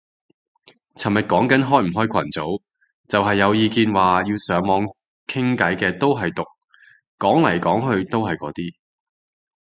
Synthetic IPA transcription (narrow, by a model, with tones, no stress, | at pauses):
t͡sʰɐ˨˩mɐ˨˩t̚kɔː˨˥ŋkɐ˨˥nɦɔː˥jm̩˨˩ɦɔː˥jkʰɐ˨˩nt͡so˨˥w | t͡sɐ˨wɦɐ˨jːɐ˨˧wjiː˨˧kiː˧nwaː˨jiː˧wsœː˨˥ŋmɔː˨˧ŋ | kʰɪ˥ŋkɐ˨˥jkɛː˧t̪o˥wɦɐ˨jt̪ʊ˨k̚ | kɔː˨˥ŋlɐ˨˩jkɔː˨˥ŋɦɵ˧ɥt̪o˥wɦɐ˨jkɔː˨˥t̪iː˥